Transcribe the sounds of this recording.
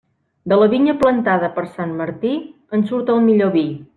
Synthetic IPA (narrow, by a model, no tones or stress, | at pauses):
d̪ələβiɲəplənt̪aðəpəɾsanməɾt̪i | ənsuɾt̪əlˠmiʎoβi